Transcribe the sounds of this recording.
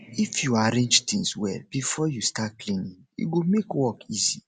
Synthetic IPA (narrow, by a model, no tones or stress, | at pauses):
ifjuaɾẽnd͡ʒtĩŋswɛlbifɔjustat̚klĩnĩŋjṵɡomekwɔkizi